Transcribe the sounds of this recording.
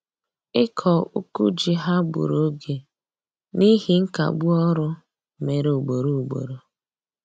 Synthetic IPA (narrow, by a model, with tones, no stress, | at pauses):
ɪ˦kʰɔ˨u˦ku˦d͡ʒi˨ɦa˦bṵ˨ɾo˦ɡe˨ | ni˦ɦi˦ŋ̩˦ka̰˨ɡ͡bu˦ɔ˦ɾʊ˦ | me˨ɾo˨ɡ͡bo˨ɾo˨u˨ɡ͡bo̰˨ɾo˨